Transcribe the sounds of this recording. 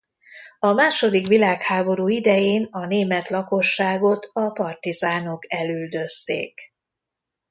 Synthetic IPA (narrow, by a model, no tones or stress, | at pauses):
ɒmaːʃo̞d̪ikʋilaːkhaːbo̞ɾuːid̪ɛjeːnɒneːmɛt̪lɒko̞ʃːaːɡo̞t̪ʰɒpɒrt̪izaːno̞kɛlyld̪ø̞st̪ḛːk